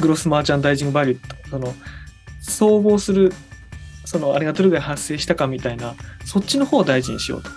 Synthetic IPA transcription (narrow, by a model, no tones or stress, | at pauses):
ɡɯ̟ɾo̞sɨmaːt͡ɕãnd̪aiʑiŋbaɾʲɯ̟t̪ːoso̞no̞ | so̞ːɡo̞ːsɨɾɯ̟ | so̞no̞aɾʲiɡat̪o̞ɾɯ̟d̪ehasːe̞ːɕi̥t̪akamʲit̪ainaso̞t͡ɕːino̞ho̞ːd̪aiʑiɲ̟ḭɕijo̞̰ːt̪o̥